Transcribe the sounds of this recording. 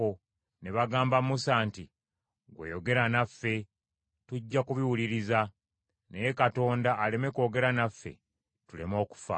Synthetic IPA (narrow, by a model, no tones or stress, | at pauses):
o | ne̞βaɡaːmbamusaːnti | ɡwḛjo̞ɡe̞ɾanafːe̞ | tuɟːakuβiwuliɾiza | neje̞kato̞ːndaʔːle̞me̞ko̞ːɡe̞ɾanafːe̞̰ | tule̞̰mo̞ːku̥fa̰